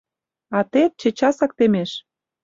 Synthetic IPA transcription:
ɑt̪et̪̚t͡ɕĕt͡ɕɑsɑk̚t̪emeʃ

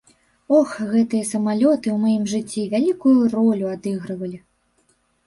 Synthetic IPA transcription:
ɔxɣɛt̪ɨjɐsɐmalʲɔt̪ɨwmajimʐɨt͡sʲːivʲalʲikujuɾɔlʲuad̪ɨɣɾɐvɐlʲi

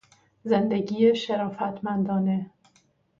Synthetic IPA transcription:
ze̞nd̪eɟiːjeʃeɾɒːfæt̪ʰmænd̪ɒːne̞

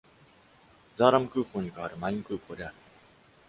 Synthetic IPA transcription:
zaːɾamɯ̟kɯːkoːɲ̟ikaβaɾɯ̟maĩŋkɯːkoːd̪e̞aɾɯ̟

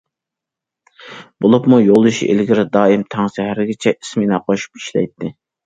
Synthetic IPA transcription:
bolˠupmujolˠuʃiʔḛlɡʲiɾɪd̪ɑːimt̪ʰɑŋsɛɦæɾɡʲɪt͡ʃʰɛʔi̥smɪnɑqʰoʃu̥pi̥ʃlɛ̰jt̪ʰːɪ

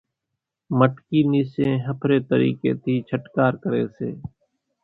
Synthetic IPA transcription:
məʈkiːniːsẽɦəpʰɾeːt̪əɾḭːkeːt̪ʰiːt͡ʃʰəʈkaːɾkəɾḛːseː

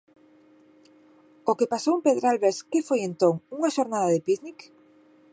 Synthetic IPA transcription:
okepasowempeðɾalβeɾskefojent̪oŋuŋaʃoɾnaðaðɪpiðnik

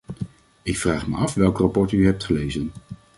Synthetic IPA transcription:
ɪkfraːχmə̰ɑfʋɛlˠkrapɔɹtyɦɛp̚tχəlejzən

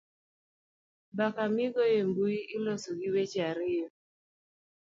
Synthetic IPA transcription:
bakamɪɡɔjembuiʔɪlɔsoɡiwet͡ʃaɾɪjɔ

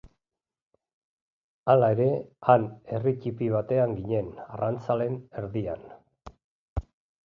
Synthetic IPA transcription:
alae̞ɾe̞ane̞ricipiβ̞at̪e̞aŋɡiɲe̞narant͡sale̞ne̞ɾðia̰n

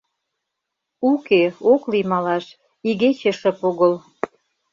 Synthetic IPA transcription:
ukeoklimɑlɑʃ | iɣet͡ɕĕʃə̆poɣəl

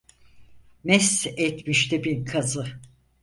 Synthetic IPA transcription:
mɛsɛt̪miʃt̪ɛbinkʰazɯ

